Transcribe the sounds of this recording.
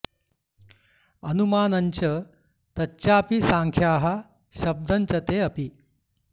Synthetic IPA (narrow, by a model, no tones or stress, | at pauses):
ɐnumaːnɐɲt͡ɕə | t̪ɐt͡ɕjapisãŋkʰjaːɦa | ɕɐb̚d̪ʱɐɲt͡ɕɐt̪eɐpi